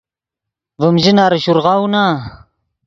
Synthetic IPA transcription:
vəmʒɪnaɾəʃuɾʁɑwna

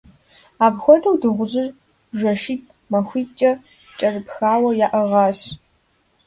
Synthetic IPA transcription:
aːbxʷɔdɐwdɨʁʷʊʑɪr | ʒɐʃiːt̚ʼ | mɐxʷiːt͡ʃʼɐ | t͡ʃʼɐrɨpxaːwɐjaːʔɐʁɑːɕ

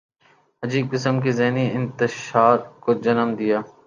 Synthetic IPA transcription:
ɦɐd͡ʒiːb̚kɪsəmkizɛɦniɪnt̪ɪʃaːɾkod͡ʒɐnəmd̪ɪjaː

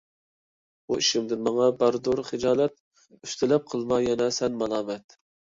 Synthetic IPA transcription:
uiʃɪmd̪ɪnmɑŋɑbɑɾd̪ʊɾχɨd͡ʒɑːlˠɛt̪̚ | yst̪ʰɪlɛp̚qʰəlˠmɑjɛnɛsɛnmɑlˠɑːmɛt̪

